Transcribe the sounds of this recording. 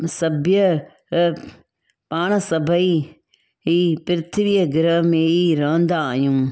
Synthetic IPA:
sɐbʱjə | paːɽ̃ə̆sɐbʱəi | ɦiːpɪɾɪt̪ʰɪʋiːəɡɪɾəɦmẽiɾɐːɦə̃nd̪aːɦijũː

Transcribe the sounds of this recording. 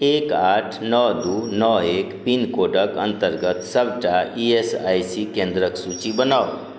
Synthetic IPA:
ekaʈʰnɔd̪unɔekpinkoɖəkə̰nt̪əɾɡət̪səbʱʈaiesajsikẽnd̪ɾəksut͡ʃibənao

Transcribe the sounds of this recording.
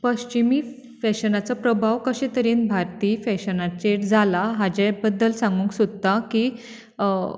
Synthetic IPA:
pəɕt͡ɕimiː | fɛɕənat͡səpɾəbʱaʋkəɕɛ̃t̪əɾiːnbʱaɾt̪iːfɛɕənat͡ɕeʈd͡zʱalaɦad͡ʑebəd̪ːəlsãŋɡũːŋksud̪̚t̪akiː

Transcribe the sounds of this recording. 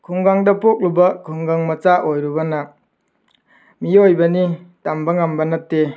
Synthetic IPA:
kʰuŋɡaŋdɐpok̚lubɐkʰuŋɡaŋmɐt͡ʃaʔojɾubɐnɐ | miojbɐnitambɐŋambɐnɐtːe

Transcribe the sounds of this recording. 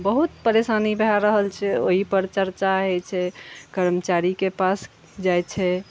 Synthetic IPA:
bəɦut̪pəɾesanibʱaɾəɦəlt͡ʃʰɛo̰ɦipəɾt͡ʃəɾt͡ʃaɦɛt͡ʃʰɛkəɾmət͡ʃaɾikepas | d͡ʒajt͡ʃʰɛ

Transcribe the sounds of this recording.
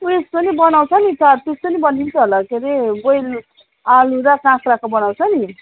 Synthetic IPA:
uesponibʌnawt͡sʰʌnit̪ʌɾt̪est̪onibʌnint͡sʰʌɦolakʰeɾeɡojl | aluɾʌkãkʰrakobʌnawt͡sʰʌni

